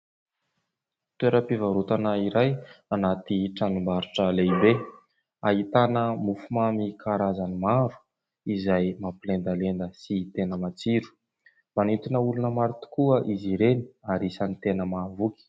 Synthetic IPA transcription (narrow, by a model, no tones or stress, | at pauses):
t̪weɾəpivaɾut̪anaiɾajanat̪iʈ͡ʂanumbaɾuʈ͡ʂəleibe | aɦit̪anəmufumamikʰaɾazanimaɾu̥ | izajmapilend̪alend̪əsit̪enəmat͡siɾu̥ | manit̪unəulunəmaɾut̪u̥kuəʔiziɾeni̥aɾisanit̪enəmavuki̥